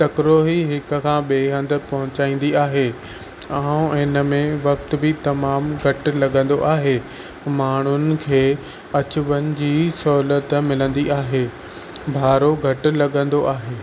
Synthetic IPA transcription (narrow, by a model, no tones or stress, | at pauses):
t̪ɐkɾoːɦiɦɪk̆kʰãːɓeːɦɐ̃nd̪ə̆pɐɦʊ̃t͡ɕaːĩːn̆d̪iaːɦeː | ãːũɪ̃nəmẽʋɐk̚t̪̆bɪt̪ɐmaːmɡʱɐʈ̆lɐɠə̃nd̪oʔaːɦeː | maːɳ̤̃ʊnɪ̆kʰeː | ɐt͡ɕʊʋənɪ̆d͡ʑiːsɔːlət̪mɪlə̃nd̪iʔaːɦeː | bʱaːɾoɡʱɐʈ̆lɐɠə̃nd̪oʔaːɦeː